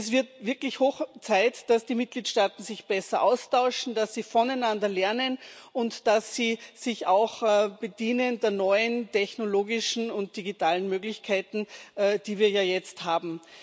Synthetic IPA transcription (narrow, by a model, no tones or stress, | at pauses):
sv̥ɪɐtv̥ɪɐklɪçhoːxt͡saɪtd̥asd̥iːmɪt̚ɡ̥liːtʃtaːtn̩zɪçb̥ɛsɐʔaʊstʰaʊʃn̩d̥asːiːfɔnaɪnandɐlɛɐnənʊntd̥asːiːz̥ɪçaʊxb̥ədiːnəndeːɐnɔʏəntʰɛçnoloːɡɪʃn̩ʊnt̚d̥iɡitʰaːlənmøːɡlɪçkʰaɪtn̩ːd̥iːviːɐjaːjɛt͡sthaːbm̩